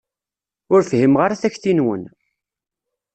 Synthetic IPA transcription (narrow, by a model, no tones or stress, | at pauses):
ʊɾfhimʁaɾaθæçθinwə̰n